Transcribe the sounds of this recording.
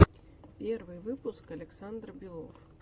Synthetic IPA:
pʲɛrvɨjvɨpuskɐlʲɛksand̪rbʲilˠɔf

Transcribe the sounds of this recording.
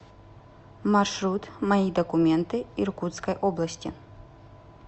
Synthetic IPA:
marʂɾut̪mɐid̪ɐkʊmʲɛnt̪ɨirkut̪skɐjʔɔblˠɐsʲtʲɪ̰

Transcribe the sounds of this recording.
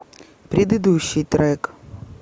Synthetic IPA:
pɾʲɪd̪ɨd̪uɕːijt̪ɾɛk

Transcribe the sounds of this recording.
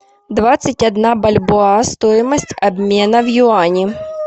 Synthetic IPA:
d̪vat̪sɨtʲɐd̪nabɐlʲbʊast̪ojɪmɐsʲtʲɐbʲmʲenɐvjʊanʲɪ

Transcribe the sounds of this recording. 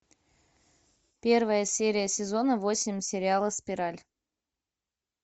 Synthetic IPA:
pʲervəjəsʲeɾʲɪjəsʲɪzonəvosʲɪmʲsʲeɾʲɪalˠəspʲiɾalʲ

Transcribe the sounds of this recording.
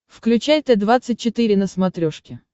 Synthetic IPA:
fklʲʉt͡ɕæjʲt̪əd̪vat̪sɨt̚ʲt͡ɕɪt̪ɨɾʲɪnəsmɐt̪ɾʲoʂkʲɪ

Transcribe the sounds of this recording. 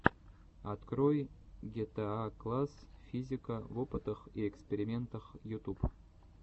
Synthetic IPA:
ɐt̪krojɡʲet̪eaklˠasfʲizʲɪkəvopɨt̪əχiekspʲeɾʲɪmʲent̪əχjut̪up

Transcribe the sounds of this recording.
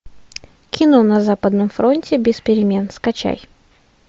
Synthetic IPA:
kʲɪnonɐzapəd̪nəmfɾo̞nʲtʲɪbʲɪspʲɪɾʲɪmʲe̞nskɐt͡ɕa̰j

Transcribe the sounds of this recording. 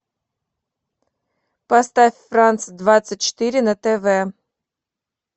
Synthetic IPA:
past̪afʲfrant̪sd̪vat̪sət̚ʲt͡ʃɨ̥t̪iɾʲɪnət̪ɛvɛ

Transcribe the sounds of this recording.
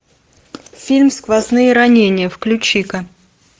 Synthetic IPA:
fʲilʲmskvɐznɨjəɾɐnʲenʲɪjəfklʲʉt͡ɕːikə

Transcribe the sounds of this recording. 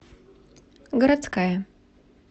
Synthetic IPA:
ɡəɾat̪skajɐ

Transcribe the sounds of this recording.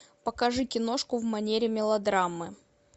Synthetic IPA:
pəkɐʐɨkʲɪno̞ʂkʊvmɐnʲeɾʲɪmʲɪlˠɐd̪ɾamːɨ

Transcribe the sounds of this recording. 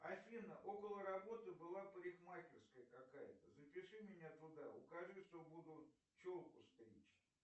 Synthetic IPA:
ɐfʲinəʔo̞kəlˠəɾɐbo̞t̪ɨbɨlˠapɾʲɪxmakʲɪrskəjəkɐkajɪt̪əzəpʲɪʂɨmʲɪnʲat̪ʊd̪aʊ̰kɐʐɨʂt̪obud̪ʊ | t͡ɕolˠkʊst̪ɾʲḭt͡ɕ

